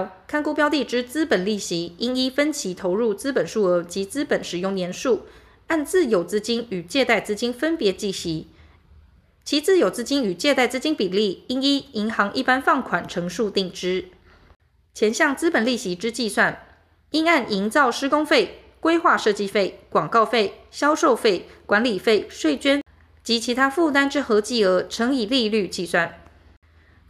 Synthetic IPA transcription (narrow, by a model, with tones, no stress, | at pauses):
kʰa˥˧nku˥pjɑ˥ʊt̪i˥˧˩ʈ͡ʂɻ̩˥t͡sɹ̩˥pə˨˩nli˥˩ɕi˧˥i˥ŋi˥fə˥nt͡ɕʰi˧˥t̪ʰo˧˥ʊɻu˥˩t͡sɹ̩˥pə˨˩nʂu˥˩ɤ˧˥t͡ɕi˧˥t͡sɹ̩˥pə˨˩nʂɻ̩˨˩jʊ˥˩ŋljɛ˧˥nʂu˥˩ | a˥˧nt͡sɹ̩˥˩jo˨˩ʊt͡sɹ̩˥t͡ɕi˥ny˨˩t͡ɕjɛ˥˧t̪a˥˩ɪt͡sɹ̩˥t͡ɕi˥nfə˦npjɛ˨˧˥t͡ɕi˥˩ɕi˧˦˥ | t͡ɕʰi˧˥t͡sɹ̩˥˩jo˨˩ʊt͡sɹ̩˥t͡ɕi˥ny˨˩t͡ɕjɛ˥˧t̪a˥˩ɪt͡sɹ̩˥t͡ɕi˥npi˨˩li˥˩i˥ŋi˥i˧˥ŋxɑ˧˥ŋʔi˥˩pa˥nfɑ˥˩ŋkʰwa˨˩nʈ͡ʂʰɤ˧˥ŋʂu˥˧t̪i˥˩ŋʈ͡ʂɻ̩˥ | t͡ɕʰjɛ˧˥nɕjɑ˥˩ŋt͡sɹ̩˥pə˨˩nli˥˩ɕi˧˥ʈ͡ʂɻ̩˥t͡ɕi˥˧swa˥˩n | i˥ŋa˥˩nʔi˧˥ŋt͡sɑ˥˩ʊʂɻ̩˥kʊ˥ŋfe˥˩ɪ | kwe˥ɪxwa˥˧ʂɤ˥˩t͡ɕi˥fe˥˩ɪkwɑ˨˩ŋkɑ˥˧ʊfe˥˩ɪɕjɑ˥ʊʂo˥˧ʊfe˥˩ɪkwa˧˦nli˨˩fe˥˩ɪʂwe˥˩ɪt͡ɕɥɛ˥n | t͡ɕi˧˥t͡ɕʰi˧˥t̪ʰa˥fu˥˨t̪a˥nʈ͡ʂɻ̩˥xɤ˧˥t͡ɕi˥ə˧˥ʈ͡ʂʰɤ˧˥ŋi˨˩li˥˧ly˥˧t͡ɕi˥˧swa˥˩n